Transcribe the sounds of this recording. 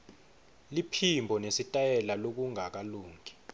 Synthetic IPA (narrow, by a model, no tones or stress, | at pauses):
lipʰimbʱɔnesitʼajɛlalok̬uŋak̬aluːŋʱi̥